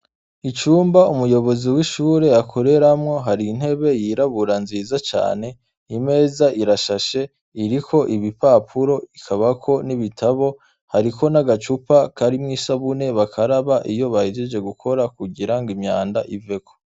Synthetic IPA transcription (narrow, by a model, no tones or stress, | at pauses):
it͡ʃuːmbaumujo̞βo̞ziwiʃuːɾe̞akʰo̞ɾe̞ɾamŋo̞ɦaɾiːn̥he̞βe̞jiɾaβuɾanziːzat͡ʃa̰ːne̞ | ime̞ːzaʔiɾaʃaʃe̞ | iɾikʰo̞ʔiβipaːpʰuɾo̞ikʰaβakʰo̞niβitʰaβo̞ | haɾikʰo̞naɡat͡ʃupakaɾimŋiːsaβune̞βakʰaɾaβaʔijo̞βahid͡ʒed͡ʒe̞ɡukʰo̞ɾakuɡiɾaŋɡimɲaːndaʔive̞kʰo̞̥